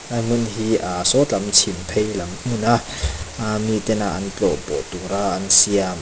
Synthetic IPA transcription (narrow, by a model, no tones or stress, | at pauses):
amunɦiʔasɔt͡ɬamt͡sʰimpʰejlɐmunaamit̪ɛnaʔant͡ɬɔpɔ̰t̪uɾaʔansiam